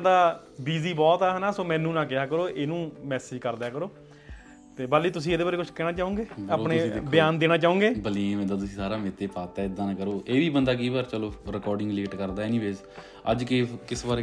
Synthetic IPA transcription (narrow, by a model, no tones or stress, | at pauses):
d̪aː | biːziːbɔːt̪aːɦɛnaːsoːmɛ̃ːnːũːnãːkɪaːkəɾoːʔeːnũːmɛːsɪd͡ʒkəɾd̪ɛːkəɾoː | t̪eːbaːliːt̪ʊs̬ĩːd̪eːbaːɾeːkʊt͡ʃʰkɛːɽaːt͡ʃaːõːŋɡeːaːpnẽːbɪjaːnd̪eːɽaːt͡ʃaːõːŋɡeːbəliːmɛ̃nd̪aːt̪̬ʊsĩːsaːɾaːmet̪eːpaːt̪ɛːɪd̪ãːnːkəɾoːʔeːʋiːbənd̪aːk̬iːbaːɾt͡ʃəloːɾɪkɔːɾɖɪ̃ŋɡliːʈkəɾd̪aːɛːniːʋeːz | ə̰d͡ʒkɪkɪsbaːɾeː